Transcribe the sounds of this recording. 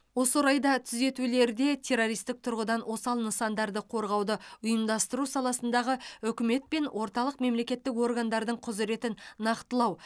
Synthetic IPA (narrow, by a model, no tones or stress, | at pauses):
wo̞səɾɑjd̪ɑt̪ʰʏze̞t̪ule̞ɾd̪e̞t̪ʲʰe̞ɾo̞ɾijst̪ɪk̚t̪ʰʊɾʁəd̪ɑnwo̞sɑlˠnəsɑnd̪ɑɾd̪əqʰo̞ɾʁɑwd̪əʊjəmd̪ɑst̪əɾusɑlˠɑsənd̪ɑʁəʏkʲɪme̞t̪̚pe̞nwʔo̞ɾt̪ɑlˠəqme̞mle̞kʲe̞t̪ːɪko̞rɡand̪ɑɾd̪əɴqʰʊzɾe̞t̪ɪnːɑqt̪əlˠɑw